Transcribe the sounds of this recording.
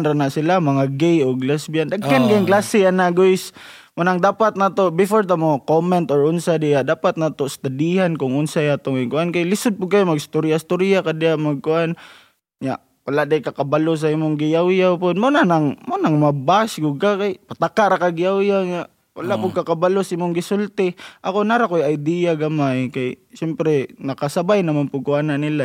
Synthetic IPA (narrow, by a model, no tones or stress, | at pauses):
nɾanasilamaŋaɡejoɡlasbiand̪aɡːankajŋklasɪanaɡoɪsmʊnaŋd̪aːpat̪̚nat̪obɪfoɾt̪amokomɛnt̪ɔɾʊnsadɪʔadaːpat̪̚nat̪ost̪adiɦankʊŋʊnsajat̪oŋajŋkʊʔankajlɪsʊd̪̚pʊɡ̚kajʊmaɡst̪ʊɾijast̪ʊɾiakadɪaʔmaɡ̚kʊʔan | ɲa̰ʔ | wʔalaʔdaɪkakabalʊs̬aimʊŋɡɪjawjawpʊd̪̚mʊnanaŋmanaŋmabasɡʊɡ̚kakajpat̪akaʔɾakaɡɪjawjawɲaʔ | wa̰laʔpʊɡ̚kakabalosimʊŋɡɪsʊlt̪ɪʔakonaɾakojajd̪iaɡamajkajsɛmpɾɛnakasabajnamanpʊɡ̚kʊʔananɪla